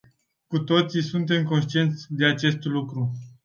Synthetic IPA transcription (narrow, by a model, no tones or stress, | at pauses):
kut̪o̞t̪sisunt̪̬e̞mko̞nʃt̪ie̞nt̪sʲd̪e̞at͡ʃe̞st̪lukɾu